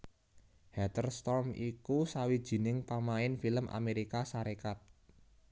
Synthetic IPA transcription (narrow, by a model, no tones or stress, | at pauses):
hɛt̪ərst̪ɔrmikusawid̥ʒ̥i̤nɪŋpamaɪnfiləmʔa̰meɾikasaɾekat̪̚